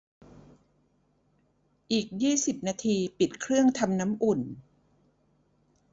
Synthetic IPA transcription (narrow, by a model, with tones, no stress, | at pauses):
ʔiː˨˩k̚jiː˥˩si˨˩p̚naː˧t̪ʰiː˧pi˨˩t̪̚kʰɾɯ˥˩əŋt̪ʰa˧mna˦˥mʔu˨˩n